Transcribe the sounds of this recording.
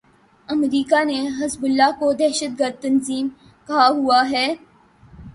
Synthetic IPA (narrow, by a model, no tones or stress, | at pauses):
ɐmɾiːkaneɦɐzbʊlːakod̪ɛːʃət̪̚ɡəɾd̪̚t̪ɐnziːm | kɐɦaɦuaɦɛː